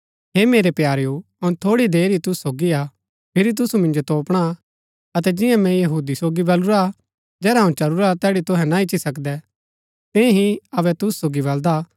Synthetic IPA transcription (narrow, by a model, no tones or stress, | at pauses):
ɦeːmeːɾepjaːɾju | ɐʊnt̪ʰoːɽid̪eːɾit̪ʊsu̥soːɡia | pʰɪɾit̪̬ʊsumɪ̃nd͡ʒot̪oːpɽ̃a | ɐt̪̬ɛd͡ʒɪ̃jãmɛ̃jɐɦuːd̪isoːɡibɐluɾa | d͡ʒɛːɾaɦɐ̃ũt͡ʃɐluɾat̪ɛːɽit̪ʊɦɛ̃naɪt͡ʃisɐkd̪ɛ | t̪ɛ̃ɦiɐβɛt̪ʊsusoːɡibɐld̪a